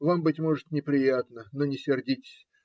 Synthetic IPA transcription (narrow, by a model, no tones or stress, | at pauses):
vambɨtʲmo̞ʐɨt̪nʲɪpɾʲɪjat̪nənonʲɪsʲɪrdʲitʲɪ̥sʲ